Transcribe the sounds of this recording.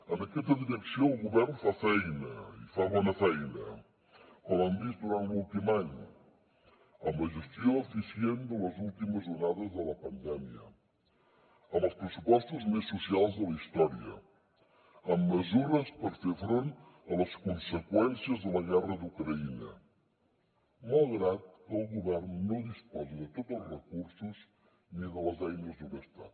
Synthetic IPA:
ənəkɛst̪əðiɾəksioəlˠɣuβɛrnfafɛjnəifaβɔnəfɛjnə | kɔmand̪izd̪uɾant̪lulˠt̪imaɲ | əmləʒəst̪ioəfisiend̪ələzulˠt̪iməzʒurnaðəzðələpənd̪ɛmiə̰ | əməlˠspɾəsupɔst̪uzmesːusialˠzðələist̪ɔɾiə̰ | əmːəzuɾəspəɾfefɾon | ələskunsəkwɛnsiəzðələɣɛrəðukɾəinə̰ | malˠɣɾat̪̚əlˠɣuβɛrnːoðispɔziðət̪ot̪əlˠzrəkursuz | niðələzajnəzd̪uməst̪at̪

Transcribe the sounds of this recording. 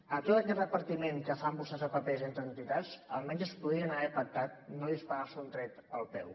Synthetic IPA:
ət̪ot̪əkɛt̪rəpəɾt̪imeŋkəfambusəzðəpəpezent̪ɾənt̪it̪ad͡zə̰lˠmɛɲzəspuðɾiənəβɛfək̚t̪at̪̚noðispəɾasunt̪ɾɛt̪əlˠpɛ̰w

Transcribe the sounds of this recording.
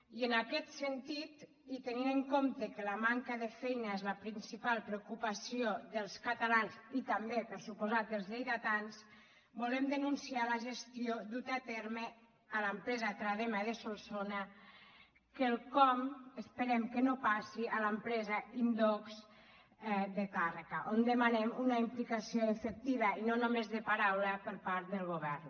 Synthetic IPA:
iənakɛt̪sent̪it̪ | it̪əninəŋkomt̪əkəlamaŋkəðəfɛjnaezləpɾinsipalˠpɾeukupasioðəlˠskat̪alansit̪ambepəɾsupuzat̪̚əlˠzʎejðat̪ans | bulɛmd̪ənunsialəʒest̪ioðut̪at̪ɛɾme | alampɾɛzat̪ɾaðemaðesolsona | kelkɔmespeɾɛmkenopasialampɾɛzaind̪oks | d̪et̪arekaʔond̪emanemunaimplikasioefek̚t̪iβ̞ainonomezðepaɾawlapəɾpaɾt̪ðəlˠɣoβ̞ɛɾn

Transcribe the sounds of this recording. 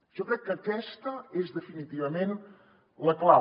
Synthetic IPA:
ewkɾɛjukɐtɛʃt̪ɐeʒðɨfinit̪ivɐmẽnt̪ | lˠɐklˠa

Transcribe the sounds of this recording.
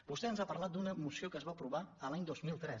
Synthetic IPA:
bust̪ɛənzapəɾlat̪̚d̪unəmusiokəzβapɾuβ̞aəlaɲd̪ozmilˠt̪ɾɛ

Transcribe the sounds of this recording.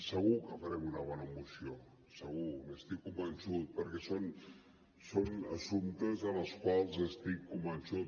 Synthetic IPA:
səɣ̞ukəfəɾɛmunəβ̞ɔnəmusio | səɣuməst̪ikːumbənsut̪̚pəɾkɛson | sonəsumt̪əzənəlˠskwalˠzəst̪ikːumbənsut̪̚

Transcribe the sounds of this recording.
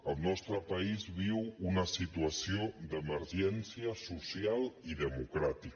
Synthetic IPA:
əlˠnɔst̪ɾəpəizβiwunəsit̪uəsiod̪əməɾʒɛnsiəsusialˠiðəmukɾat̪ik

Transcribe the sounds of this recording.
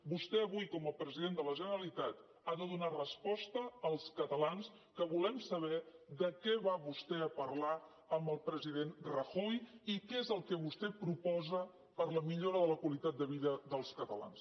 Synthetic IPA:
bust̪ɛəβujkɔməpɾəziðend̪ələʒənəɾəlit̪at̪ | aðəðunarəspɔst̪əːlˠskət̪əlans | kəβulɛmsəβ̞ɛðəkɛβaβust̪ɛəpərla | əmbəlˠpɾəziðenrəxɔjikɛezəlˠkɛβ̞ust̪ɛpɾupɔzə | pəɾləmiʎoɾəðələkwəlit̪at̪̚d̪əβ̞iðəðəlˠskət̪əla̰ns

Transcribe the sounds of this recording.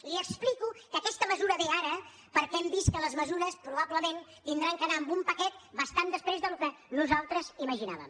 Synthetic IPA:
liəksplikukəkɛst̪əməzuɾəβeaɾə | pəɾkɛmbist̪̚kələzməzuɾəspɾuβ̞abləment̪ind̪ɾaŋkənaːmbumpəkɛt̪̚bəst̪and̪əspɾezðəlukənuzalˠt̪ɾəziməʒina̰βə̰m

